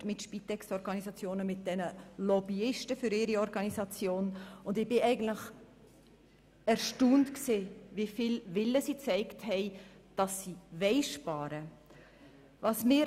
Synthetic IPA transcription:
tmɪtʃpitɛkstɔɾɡɑnisɑt͡sjoːnəmɪt̚d̥ɛnəlɔbiɪʃtəfʏɾɪɾiɔɾɡɑnisɑt͡sjoːnʊndɪbɪʔɛɪɡəntlɪχ | æɾʃtuːntkseːvifilvɪlːəsiːt͡sɛɪkthɛɪ | d̥ɑsːivɛɪʃpɑːɾə | vɑsmɪːɾ

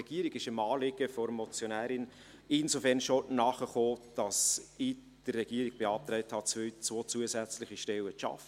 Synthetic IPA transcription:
ɛɡ̥iəɾiɡɪʃɪmɑːlɪɡ̥əfɔɾmɔt͡sjonæːɾɪn | ɪnzofɛrnʃonɑːχəχoːd̥ɑsi | d̥ərːɛɡ̥iəɾiɡ̥̚b̥eɑːp̚t̪ɾɛɪthɑt͡st͡svoːt͡suəsæt͡slɪχiʃtɛləʃɑ̰fə

